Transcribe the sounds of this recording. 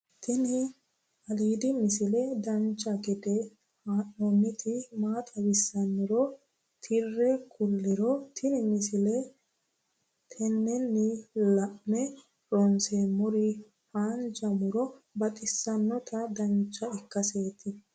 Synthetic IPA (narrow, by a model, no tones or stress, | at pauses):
t̪ʰɪnɪ | ɐliːd̪ɪmɪsɪlɛd̪ɐnt͡ʃːɐɡɛd̪ɛ | haːʔɔnːɪt̪ʰɪmaːt̪ʼɐwɪsːɐnːɪɾɔ | t̪ʰɪrːɛkʰʊlːɛɾɔt̪ʰɪnɪmɪsɪlɛ | t̪ʰɛnːɛnːɪlɐʔmɛ | ɾɔnsemʊɾɪ | faːnd͡ʒɐmʊɾɔbɐt̪ʼɪsːɐnːɔt̪ʰɐd̪ɐnt͡ʃːɐɪkːɐseːt̪ɪ